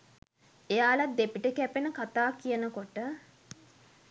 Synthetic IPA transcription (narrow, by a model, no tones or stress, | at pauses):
ejaːlat̪̚d̪epiʈəkɛpenəkat̪aːkijənəkoʈə